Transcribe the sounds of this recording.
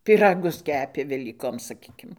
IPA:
pʲiːˈrɑːɡʊs ˈkʲæːpʲeː ʋʲɛlʲiːˈkoːm sɐˈkʲiːkʲɪm

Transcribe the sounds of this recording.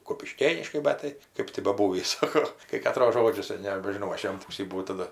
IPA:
kʊpʲɪˈʃʲkʲeːnʲɪʃkɐɪ ˈbʲɛt tɐɪ ˈkɜp tʲɪ bɐˈbuːʋʲiːs ˈsɑːkoː kɐɪ kɐˈtroːs ˈʒoːd͡ʒʲʊs nʲɛbʲɛʒʲɪˈnɐʊ ˈɐʃ jɛm ˈpuːsʲiː bʊˈʋɐʊ tɐˈdɐ

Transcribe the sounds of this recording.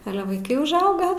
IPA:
ˈɑːlʲɛ ʋɐɪˈkɐɪ ʊʒˈɐʊɡɐ

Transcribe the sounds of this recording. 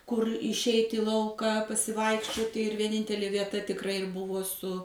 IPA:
kʊr ɪʃʲˈɛɪtʲ iː ˈlˠɐʊkɐ pɐsʲɪˈʋɐɪkʃʲt͡ʃʲoːtʲɪ ɪr ʋʲiɛˈnʲɪnʲtʲɛlʲeː ʋʲiɛˈtɐ tʲɪkˈrɐɪ ɪr ˈbʊʋoː sʊ

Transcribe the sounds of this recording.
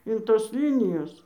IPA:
ɪn ˈtoːs ˈlʲiːnʲɪjoːs

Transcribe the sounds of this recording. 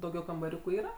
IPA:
dɐʊˈɡʲɛʊ kɐmbɐˈrʲuːkʊ ˈiːrɐ

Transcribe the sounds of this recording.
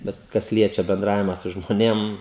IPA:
ˈbʲɛt kɐs ˈlʲiɛt͡ʃʲɛ bʲɛnˈdrɑːʋʲɪmɐ sʊ ʒmoːˈnʲeːm

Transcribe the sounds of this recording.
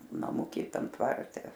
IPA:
nɐˈmʊkʲiː ˈtɐm ˈtʋɐrʲtʲɛ

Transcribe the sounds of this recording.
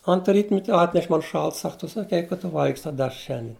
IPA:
ɐnt ˈrʲiːtʲmʲɛtʲ ˈɑːtʲnʲɛʃ ˈmɐn ˈʃɐlˠtɐ ˈsɐk ˈtʊ sɐˈkʲɛɪ kɐt ˈtʊ ˈʋɐlʲɡʲɪsʲɪ ˈtɑː ˈdʲæːʃrɐ ˈʃʲɛnʲdʲiɛn

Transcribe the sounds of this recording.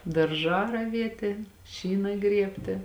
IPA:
dɐrˈʒɑː rɐˈʋʲiɛtʲeː ˈʃʲiːnɐ ˈɡrʲiɛpʲtʲeː

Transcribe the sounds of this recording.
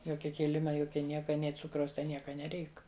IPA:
ˈjoːkʲɛ ˈkʲeːlʲɪmɐ ˈjoːkʲɛ ˈnʲiɛkɐ ˈnʲeː ˈt͡sʊkrɐʊs ˈtʲɛn ˈnʲiɛkɐ nʲɛˈrʲɛɪk

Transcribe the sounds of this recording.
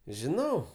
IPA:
ʒʲɪˈnɐʊ

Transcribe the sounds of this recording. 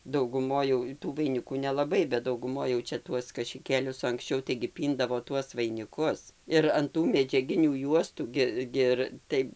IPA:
dɐʊɡʊˈmoːj jɛʊ tuː ʋɐɪˈnʲɪkuː nʲɛlˠɐˈbɐɪ bʲɛt dɐʊɡʊˈmoːj jɛʊ ˈt͡ʃʲɛ ˈtuɔs kɐʃʲɪˈkʲeːlʲʊs oː ɐŋksʲˈt͡ʃʲɛʊ tɐɪɡʲɪ ˈpʲiːndɐʋoː ˈtuɔs ʋɐɪnʲɪˈkʊs ɪr ɐn ˈtuː mʲɛd͡ʒʲɛˈɡʲɪnʲuː ˈjuɔstuː ˈɡʲɪ ɡʲɪ ˈɪr ˈtɐɪ

